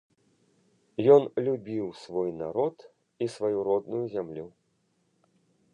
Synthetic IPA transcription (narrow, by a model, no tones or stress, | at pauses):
jɔnlʲubʲiwsvɔjna̰ɾɔt̪ | isvajuɾɔd̪nujuzʲamlʲu